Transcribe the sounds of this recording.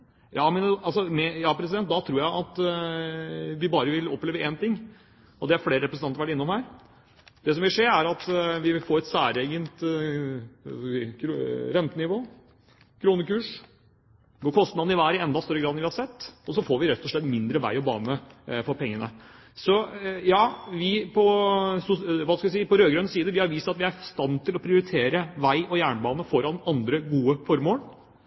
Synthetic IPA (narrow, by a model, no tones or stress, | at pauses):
jɑːmɛnɑlsɔmɛjɑːpʰɾɛs̬ɪd̪ɛnt̪̚d̪ɑt̪ʰɾuːɾjæɪʔɑt̪ | ʋɪbɑːɾəʋɪlɔpːleːʋəɛnt̪ɪŋː | ɔd̪ɛæɾfleːɾəɾɛpɾsnɑnəɾʋæʈːɪnːɔmhæːɾ | d̪̥ɛs̬ɔmʋɪlʂeːɾæɾɑt̪ʋɪfoːɾɛt̪sæːɾeːɡənt̪ | ɾɛnt̪ənɪʋoː | kʰɾuːnəkʉːʂ | ɡoːkʰɔst̪nɑd̪ɪʋæːɾɪɛnd̪ɑst̪œɾːəɡɾɑd̪ənʋɪhɑɾsɛt̪ːɔsɔfoːɾʋɪɾɛt̪ʰːɔʂɭɛt̪ːmɪnd̪ɾəʋæ̰ɪɔbɑ̰ːnəfɔɾpʰɛŋːənə̰ | sɔjɑːʋɪpʰɔsʊʋɑːskɑʋs̬iːpɔɾøːɡɾœnsiːəd̪əʋɪhɑɾʋiːsəɑt̪ʋɪæɾfst̪ɑnːt̪ʰɪlɔpʰɾɪʊɾɪt̪ʰeːɾəʋæɪʔɔjæːɳbɑːnəfɔɾɑnɑnd̪ɾəɡuːəfɔɾmoːən